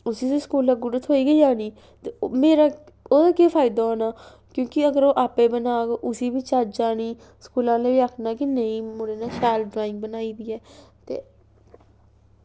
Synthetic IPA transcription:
ʊsiːseskuːlːaːɡʊɖət̪ʰɦoːiːɡəiːaːniː | t̪eːmeːɾaː | oːd̪aːkeːpʰaːɪd̪aːɦoːnaː | kjõːkɪəɡəɾoːʔaːpeːbənaːɡʔʊsiːbiːt͡ʃaːd͡ʒd͡ʒaːniː | skuːlãːleːbiːaːkʰnaːkinəĩːmʊɾeːnaːʃaːlɖɾaːɪ̃ŋɡ̚bənaːiːd̪iːɛːt̪ḛː

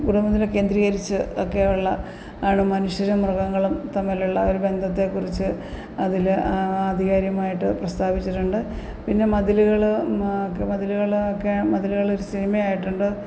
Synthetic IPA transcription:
ɡuɽumbɐt̪ːilke̞ːnd̪ɾiːɣɐɾit͡ɕːɨokːe̞uɭːɐ | aːɳɨmɐnuɕjɐɾɐmrɐɣɐŋːɐɭumt̪ɐmːiluɭːɐoɾube̞nd̪ʱɐt̪ːe̞kːurit͡ɕːɨ | ɐðilaːd̪ʱiɣaːɾjɐmaːjiʈːɨprɐst̪aːʋit͡ɕːiʈːuɳɖɨ | pinːe̞mɐd̪iluɣɐɭkmɐd̪iluɣɐɭokːemɐd̪iluɣɐɭo̞ɾusinimɐjaːjiʈːuɳɖɨ

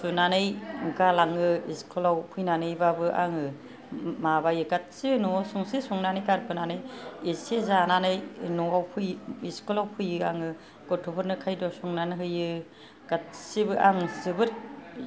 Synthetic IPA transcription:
sunanɯjɡalaŋɯiskʰɯlawpʰujnanɯjbabɯʔa̰ŋɯ | mabajɯɡat̚sibɯnɔsuŋsisuŋnanɯjkaɾpʰɯnanɯjesezananɯjnɔawpʰujiskɯlawpʰɯjɯaŋɯ | ɡ̥ɔtʰupʰɯɾnɯkʰajdɔsuŋnanɯɦɯjɯ | ɡ̥at̚sibɯʔaŋzɯbɯɾ

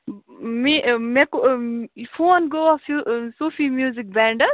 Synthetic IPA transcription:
mimekofʰoːnɡoːɔfusoːfimjuːzik̚bɛ̃ːɳɖɐ

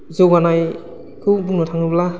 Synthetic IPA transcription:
zowɡanaj | kʰɯwbuŋnɔtʰaŋɯbla

